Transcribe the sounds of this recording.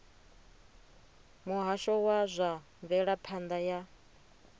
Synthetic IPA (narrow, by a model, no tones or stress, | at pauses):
muɦaʃɔwazʷaɱvɛɺapʰand̪aja